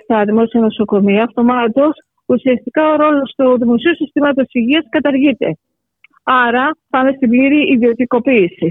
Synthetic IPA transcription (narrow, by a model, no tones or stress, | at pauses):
t̪ɐðimo̞siɐno̞so̞ko̞miɐːft̪o̞mɐt̪o̞s | usiɐst̪ikɐo̞ɾo̞lo̞st̪uðimo̞siusist̪imɐt̪osi̥siʝiɐskɐt̪ɐɾʝit̪e̞̰ | ɐɾɐpɐme̞st̪ibliɾiʔːðio̞t̪iko̞piːsi